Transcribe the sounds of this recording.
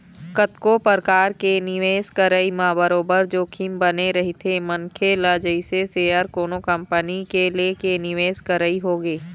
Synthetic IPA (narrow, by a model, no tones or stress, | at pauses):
kət̪kopəɾkaːɾkenɪʋeːskəɾəimãːbəɾoːbəɾd͡ʒoːkʰimbəneɾɐɦit̪ʰemɐŋkʰeləd͡ʒəɪseseːəɾkoːnokɐ̃mpənikelekenɪʋeːskəɾəiɦoːɡeː